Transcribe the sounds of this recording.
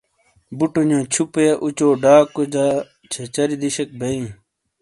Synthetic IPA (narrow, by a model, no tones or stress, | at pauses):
buʈuɲõːt͡ɕʰupeʔut͡ɕoːɖaːkod͡ʑaː | t͡ɕʰet͡ɕɐɾid̪iɕek̚bʱɐĩː